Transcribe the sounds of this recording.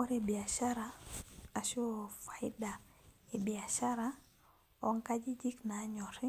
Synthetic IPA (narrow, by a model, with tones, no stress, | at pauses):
o˦ɾe˨bi˨a˨ʃa˦ɾaa˨so˦fa˨i˦da˨e˨bi˨a˨ʃa˦ɾa˦ | ɔ˦ŋka˦d͡ʒi˦d͡ʒi˦kna˨˦ɲɔ˨ɾi˦